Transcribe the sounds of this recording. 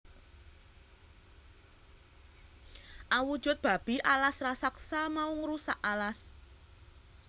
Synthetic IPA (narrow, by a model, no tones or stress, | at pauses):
ʔawud̥ʒ̥ʊ̤t̪̚b̥a̤b̥i̤ʔalasrasaksamauŋɾusaʔalas